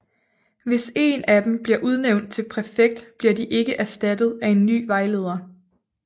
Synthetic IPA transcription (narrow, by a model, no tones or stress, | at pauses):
ʋe̝se̝næd̥emb̥liɐʔuð̞ˠneʊnd̥̚t͡sʰe̝lpʰʁæɐfeɡ̥̚d̥b̥liɐdiʔe̝ɡ̥əʔæɐsd̥æd̥ð̞ˠæe̝nːy̰ːʋɑ̈ɪle̝ːð̞ˠɐ